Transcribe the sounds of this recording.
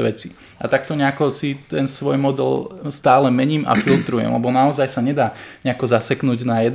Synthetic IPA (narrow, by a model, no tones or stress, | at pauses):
ʋɛt͡si | at̪ak̚t̪ɔɲɛakɔsit̪ɛnsʋɔjmɔd̪ɛ̰lst̪aːlɛmɛɲiːmʔa̰filt̪ɾujɛ̰mlɛ̰bɔnaɔzajsaɲɛd̪aːɲɛakɔzasɛknuːɟnajɛd̪